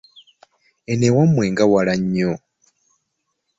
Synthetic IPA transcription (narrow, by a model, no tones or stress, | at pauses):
enewamweːŋɡawalaɲːo